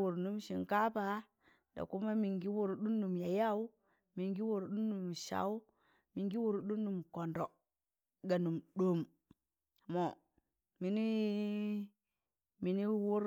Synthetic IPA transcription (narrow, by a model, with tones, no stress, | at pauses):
wu˨ɾnu˦mʃi˨ŋka˦pa˦ | da̰˨ku˦ma˦mi˨ŋɡi˦wu˦ɾɗu˦nːu˨mja˨ja˦u˦ | mi˨ŋɡi˦wu˨ɾɗu˦nːu˨mʃa̰˦wu˦ | mi˨ŋɡi˦wu˦ɾɗu˦nːu˨mko˨ndo˨ | ɡa˨nu˨mɗo˨m˨ | mo˨ | mi˨ni˦ | mi˨ni˦wu˦ɾ